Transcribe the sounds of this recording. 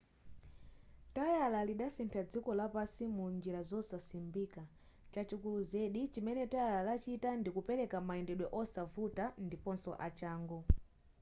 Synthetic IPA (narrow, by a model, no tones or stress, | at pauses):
tajalaliɗasintʰad͡zikɔlapasimund͡ʒiɾazɔsasimbika | t͡ʃat͡ʃukuluzɛɗit͡ʃimɛnɛtajalalat͡ʃitandikupɛɾɛkamaɛndɛɗwɛʔɔsavutandipɔnsɔ̰ʔat͡ʃaːŋɡu